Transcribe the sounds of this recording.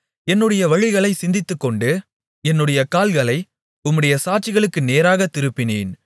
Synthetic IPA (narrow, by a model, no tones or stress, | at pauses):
ɛnːɯɽɐjɐʋɐɻɪɣɐɭɐɪsɪnd̪ɪt̪ːɯkːɔɳɖɯ | ɛnːɯɽɐjɐkaːlɣɐɭɐɪ | ʊmːɯɽɐjɐsaːʈ̚t͡ʃɪɣɐɭɯkːɯneːɾaːɣɐt̪ːɪɾɯpːɪneːn